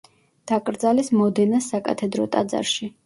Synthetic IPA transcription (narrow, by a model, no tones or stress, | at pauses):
d̪̥akʼɾd̪zalismɔd̪ɛnasakʼa̰t̪ʰɛd̪ɾɔ̰t̪ʼa̰d̪za̰ɾʃi